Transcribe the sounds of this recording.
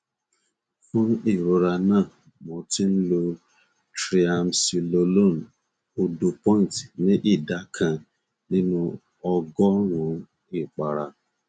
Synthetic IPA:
fʊ̃˦i˨ɾo˨ɾa˧nã˦˨ | mɔ˨ti˦n̩˦lo˧ | tɾi˦a˨msi˨lo˨lo˦˨n̩˨ | o˨du˨pɔ̃˦˨n˨ti̥˨nĩ˦ʔi˦˨da˨˦kʰã˨ | nĩ˦nũ˦ | ɔ˧ɡɔ˦ɾʊ̃˨˦ | i˦˨k͡pa˨ɾa˨

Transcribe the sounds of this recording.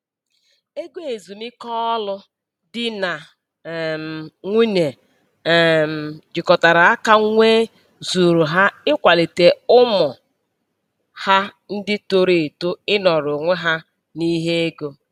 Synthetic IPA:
e˦ɡʷe˨zu˨mɪ˦kɔ˦lʊ˦ | dɪ˨na˨ | m̩˨ŋʷi˦ne˨ | m̩˨d͡ʒɪ˨kɔ˨ta˨ɾa˨a˦ka˦ŋʷe˦ | zu˨ɾu˨ɦa˦ɪ˦kʷa˨li˨te˨ʊ˦mʊ˨ | ha˦ | n̩˦dɪ˦to˦ɾe˨e˨to˦ɪ˦nɔ˨ɾʊ˨ŋʷe˦ɦa˦ | ni˦ɦe˦e˦ɡo˦

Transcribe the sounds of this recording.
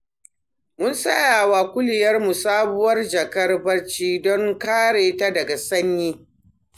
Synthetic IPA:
mʊ˦nsɐ˦jaː˨waː˨kʷʊ˦lɪ˨jɐ˦rmu˨saː˦bʊ˦wɐ˦rd͡ʒɐ˨kɐ˦rbɐ˦rt͡ʃiː˦dɔ˦ŋkaː˦ɽeː˨ta˦dɐ˨ɡa˨sɐ˦ɲjiː˦

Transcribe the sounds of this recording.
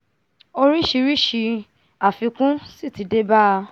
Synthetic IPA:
o˧ɾi˦ʃi˧ɾi˦ʃi˧ | a˨fi˧kũ˦si˦˨ti˨˧de˦ba˦˧

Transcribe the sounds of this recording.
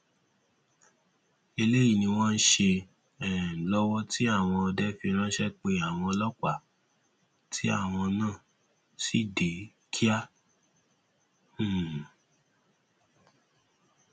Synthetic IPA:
e˧le˦ji˦˨nĩ˧w̃ɔ̃˦n̩˦ʃe˧ | ɛ˨lɔ˦wɔ˦ti˦a˦˨w̃ɔ̃˧ɔ˧dɛ˦fi˧ɾ̃ã˦ʃɛ˦k͡pe˧a˨w̃ɔ̃˧lɔ˦k͡pa˦˨ | ti˦a̰˦˨w̃ɔ̃˧nãː˦˨ | si˦˨de˨˦ | kʰi˦a˦˨

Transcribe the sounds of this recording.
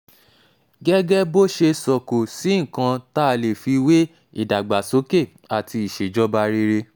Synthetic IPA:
ɡɛ˦ɡɛ˦bo˦ʃe˧sɔ˨ko˨si˨˦ŋ̩̃˦˨kã˧ta˦˧le˨fi˧we˦ | i˦˨da˨ɡ͡ba˨so˨˦ke˦˨ | a˨tʰi˧i˨ʃe˨d͡ʒɔ˦ba˧ɾe˦ɾe˧

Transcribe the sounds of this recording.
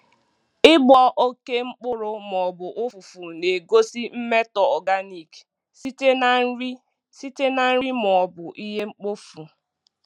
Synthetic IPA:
ɪ˦bɔ˨ʔo˦ke˦ŋ͡m̩˦k͡pʊ˦ɾʊ˦m˨ɔ˨bʊ˨ʔʊ˦fu˨fu˨ne˨ɡo˦si˦m̩˦me˦tɔ˨ɔ˨ɡa˦ni˨k | si˦te˦na˨n̩˦ɾi˦ | si˦te˦na˨n̩˦i˦m˨ɔ˨bʊ˨ʔi˦ɦe˦ŋ͡m̩˦k͡po˦fu˨

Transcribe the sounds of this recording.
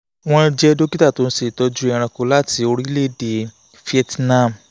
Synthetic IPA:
w̃ɔ̃˦d͡ʒɛ˦do˦ki˦ta˦˨to˨˦n̩˦se˨tɔ˨˧˦d͡ʒu˦ɛ̃˦˨ɾ̃ã˧ko˧˦la˦ti˨˧o˧ɾi˦le˦˨de˨˦ | fi˦ɛ˧tnã˦˨m̩˨

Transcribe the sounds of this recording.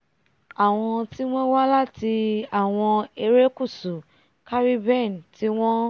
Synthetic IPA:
a˨w̃ɔ̃˧ti˦w̃ɔ̃˦wa˦la˦˨ti˧a˦˨w̃ɔ̃˧e˧ɾe˦ku˦˨su˨ | ka˦ɾi˦bɛ˦˨n˨ti˦w̃ɔ̃˦

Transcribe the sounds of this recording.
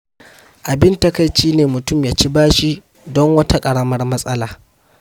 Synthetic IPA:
ʔa˨bɪ˦nta˦ka˦˨jt͡ʃiː˦neː˨mʊ˨tʊ˦˨mjaː˨t͡ʃi˦baː˦ʃi˦ | dɔ˦ŋwɐ˦tʰa˦kʼɐ˨ɽɐ˦mɐ˦rmɐ˦sʼɐ˦laː˨

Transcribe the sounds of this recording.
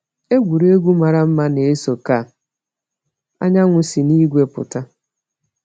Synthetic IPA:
e˦ɡʷu˨ɾe˦e˦ɡʷu˦ma˨ɾa˦m̩˦ma˦ne˨e˦so˨ka˦˨ | a̰˦ɲa˦ŋʷʊ˨si˨ni˦ɡʷe˦pʊ̰˨ta˦

